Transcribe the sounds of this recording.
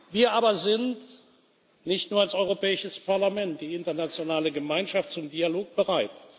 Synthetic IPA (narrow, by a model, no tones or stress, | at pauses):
viːɐʔaːbɐzɪnt | nɪçtnuːɐalsɔʏʁopɛːɪʃəspaɐlamɛnt̚d̥iːɪntɐnat͡sjonaːləɡəmaɪnʃaft̚t͡sʊmdialoːk̚b̥əʁaɪt